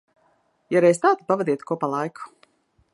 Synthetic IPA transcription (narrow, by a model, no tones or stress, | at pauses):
jaɾɛjst̪aːt̪u̥pavad̪iɛt̪kuɔpalˠajkʰu̥